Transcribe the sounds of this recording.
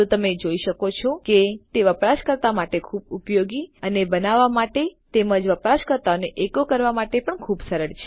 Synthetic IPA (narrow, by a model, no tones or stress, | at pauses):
t̪ot̪əmed͡ʒoiʃəkot͡ʃʰoket̪eʋəpɾaʃkəɾt̪amaʈekʰubupjoɡiənebənaʋːamaʈet̪eməd͡ʒʋəpɾaʃkəɾt̪aəneʔekokəɾʋamaʈepəɳkʰubsəɾəɭt͡ʃʰe̥